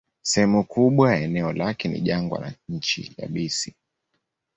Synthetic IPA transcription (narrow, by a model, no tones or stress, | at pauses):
sɛhɛmukuɓwajaɛnɛɔlakɛnḭʄaŋɡwa̰na̰ɲ̩t͡ʃḭja̰ɓisi